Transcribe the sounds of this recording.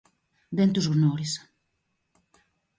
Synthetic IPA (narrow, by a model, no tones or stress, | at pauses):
d̪ent̪uzunɔɾis